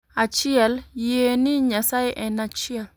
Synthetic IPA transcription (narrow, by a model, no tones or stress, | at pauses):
at͡ʃiɛljeniɲasaeʔɛnat͡ʃiɛl